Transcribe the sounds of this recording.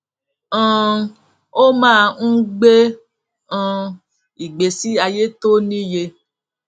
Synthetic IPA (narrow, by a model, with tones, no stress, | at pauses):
ã˨ | o˦mãː˦˧ŋ̩˦ɡ͡be˦ | ã˧ | i˨ɡ͡be˨si˦a˧je˦to˦nĩ˦je˧